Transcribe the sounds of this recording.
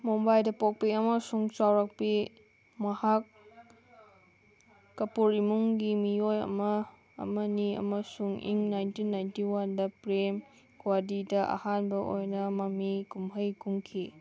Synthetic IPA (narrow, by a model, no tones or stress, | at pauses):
mombajdɐpɔk̚piɐmɐsuŋt͡ʃawɾɐk̚pi | mɐhak | ɐpuɾimuŋɡimijojɐ̰mɐ̰ː | mɐniɐ̰mɐsuŋḭŋnajntinːajntiwandɐpɾem | kwadidɐʔa̰hanbɐʔo̰jnɐmɐmikumɦəjkuŋkʰi